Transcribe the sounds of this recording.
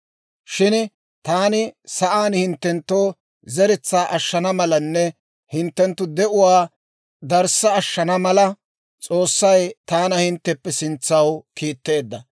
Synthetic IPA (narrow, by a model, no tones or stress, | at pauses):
ʃɪn | t̪aːnɪsɐʔaːnhɪnt̪ːɛnt̪ːoː | zɛɾɛt͡sːaːʔɐʃːɐnɐmɐlɐnːɛ | hɪnt̪ːɛnt̪ːʊd̪ɛʔʊwaː | d̪ɐɾsɐːʃːɐnɐmɐlɐ | t͡sʼo̞ːsːɐjt̪aːnɐhɪnt̪ːɛpːɛsɪnt͡sːɐwkiːt̪ːe̞ːd̪ːɐ